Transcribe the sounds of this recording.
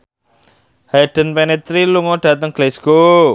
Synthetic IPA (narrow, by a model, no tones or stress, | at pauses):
haɖ̥ə̤npɛnɛt̪ɾiluŋɔɖ̥ä̤t̪əŋɡ̥lesɡ̥o